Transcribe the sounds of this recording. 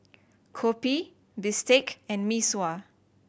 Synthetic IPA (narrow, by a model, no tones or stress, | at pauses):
kʰɔpi | bistekɛ̃nmiswa